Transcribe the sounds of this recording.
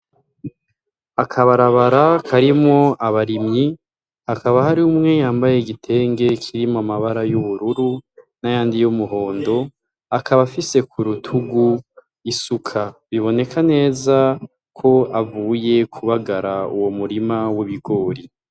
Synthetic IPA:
akʰaβaɾaβaɾakʰaɾimŋo̞aβaɾimɲi | akaβahaɾiumŋe̞jaːmbajeɡitʰe̞ːŋɡe̞kʰiɾimoamaβaɾajuβuɾuɾunajaːndijumuɦo̞ːndo̞ | akaβafise̞kʰuɾutʰuɡu | isukʰaβiβo̞ne̞kʰane̞ːza | kʰo̞avuːje̞kʰuβaɡaɾaṵwomuɾimawiβiɡo̞ːɾi

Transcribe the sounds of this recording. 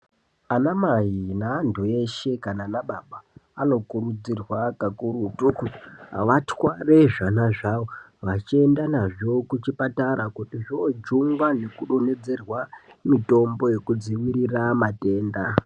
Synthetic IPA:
anamajinaːndue̞ʃe̞kananaɓaɓaːno̞kurud͡zirwakakuɾutukṵʋatwareʐanaʐaʋo | ʋat͡ʃie̞ndanaʐo̞kut͡ʃipataɾakutiʐod͡ʒuŋɡwane̞kuɗone̞d͡ze̞rwamito̞mbo̞je̞kud͡ziwiɾiramate̞ːnda

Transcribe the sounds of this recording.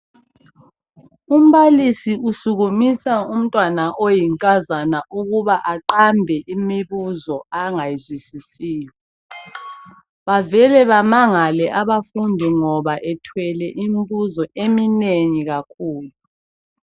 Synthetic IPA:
um̩βalisiʔusuɣumisaum̩tʼwanaʔojiŋkʼazanaʔuɣuβaʔaǃambʱɛʔimiβuzɔaŋajizwisisiːjɔ | βavɛlɛβamaŋalɛʔaβafundʱiŋɔβaʔɛtʰwɛlɛʔimβuzɔʔemineŋiɣakʰuːlu

